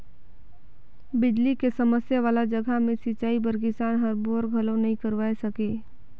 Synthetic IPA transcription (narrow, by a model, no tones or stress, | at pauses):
bɪd͡ʒ̪likesɐməsjaʋaːlad͡ʒəɡʱamẽsɪt͡ʃaːibəɾk̬ɪsaːnɦəɾboːɾɡʱɐlõnɐɦĩkəɾʋaːesɐkeː